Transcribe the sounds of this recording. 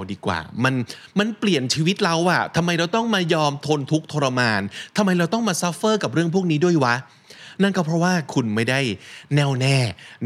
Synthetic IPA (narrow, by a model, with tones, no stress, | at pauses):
diː˧kwa̰ː˨˩ma˧nma˧npli˨˩ənt͡ɕʰiː˧wi˦˥t̪̚ɾa˧wʔa˨˩t̪ʰa˧mːa˧jɾa˧wt̪ɔ˥˩ŋmaː˧jɔː˧mt̪ʰo˧nt̪ʰu˦˥k̚t̪ʰoː˧ɾa˧maː˧nt̪ʰa˧mːa˧jɾa˧wt̪ɔ˥˩ŋmaː˧sa˦˥fɤː˥˩ka˨˩p̚ɾɯ˥˩əŋpʰu˥˩ək̚niː˦˥du˥˩əjwa˦˥ʔ | na˥˩nkɔ˦˥˩pʰɾɔ˦˥waː˥˩kʰu˧nma˥˩jda˥˩jnɛː˥˩wnɛː˥˩